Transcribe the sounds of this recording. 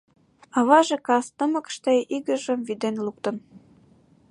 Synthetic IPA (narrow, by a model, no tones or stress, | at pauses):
ɑβɑʒĕkɑst̪ə̆mə̆kʃt̪eiɣə̆ʒə̆mvid̪enluk̚t̪ə̆n